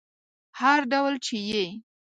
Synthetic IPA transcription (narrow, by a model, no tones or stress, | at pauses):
haɾɖawlt͡ʃeje